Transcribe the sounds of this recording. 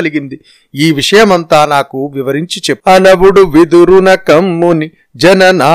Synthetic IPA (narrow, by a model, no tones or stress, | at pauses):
ɐliɡind̪i | iːʋiʂɐjɐmɐnt̪aːnaːkuʋiʋɐɾiɲt͡ʃit͡ʃepːɐnɐʋuɽuʋid̪uɾunɐkɐmːuni | d͡ʒɐnɐnaː